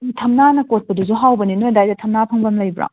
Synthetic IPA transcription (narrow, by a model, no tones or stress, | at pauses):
tʰɐmnanɐkot̚pɐduzuɦawbɐninojdajdɐtʰɐmnapʰɐŋbɐmlɐjbɾa̰